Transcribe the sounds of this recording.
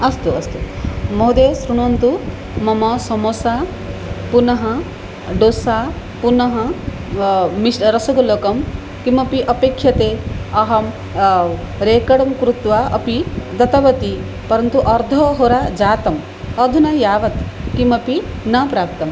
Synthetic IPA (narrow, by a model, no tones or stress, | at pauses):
ɐst̪uɐst̪umoɦud̪eːsɾuɽ̃uɐnt̪u | mɐmɐsɐmosa | punɐɦɐ̃ | ɖosa | punɐɦɐ̃ | misɾɐsɐɡɐloːkɐm | kimɐpiʔɐpekʰːjɐt̪eɐɦɐm | ɾeːkɐɽɐmkɾut̪ʋaɐ̰pid̪ɐt̪ɐbɐt̪i | pɐɾɐnt̪uʔɐɾd̪ʱɔɦoɾad͡ʒaːt̪ɐm | ɐd̪ʱunɐjaːʋɐt̪kimɐpinɐpɾaːp̚t̪ɐm